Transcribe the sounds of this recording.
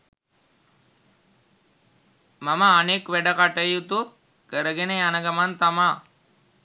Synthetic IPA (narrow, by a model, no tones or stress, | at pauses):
maməːnekʋɛɖəkaʈəjut̪u | kəɾəɡeneanəɡamant̪ama